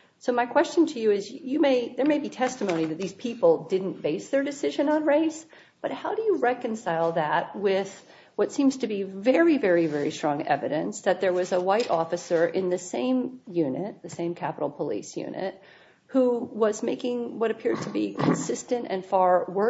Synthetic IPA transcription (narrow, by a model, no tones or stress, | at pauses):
soʊmaɪkʰw̥ɛst͡ʃɨ̃n̩tʰɨjɨɪzjɨmeɪðə˞meɪbitʰɛstəmõʊ̃niðɨt̪̚ðiz̥pʰipl̩ˠdɪdⁿn̩b̥eɪsðə˞dɨsɪʒɨ̃nə̃nɹeɪs | b̥ʌt̚haʊɾɨjɨɹɛkɨ̃nsaɪlˠðət̚wɪð̥ | wʌtsĩmz̥tʰɨbivɛɹivɛɹivɛɹḭstɹ̥ɔ̃ŋɛ̰vɨɾɨ̃nsðɨt̪̚ðə˞wʌzəwaɪɾʔɔfɨsə˞ʔɪ̃nðɨsẽɪ̃mjʉnɨt̪̚ðɨsẽɪ̃mkʰæpəɾl̩ˠpʰəlḭsjʉ̰̃nɨ̰t̚ | huwʌzmeɪkɪ̃ŋwʌɾɨpʰɪɹd̚tʰɨbikʰɨ̃nsɪstɨ̃ntɨ̰̃nfɑɹwɜ˞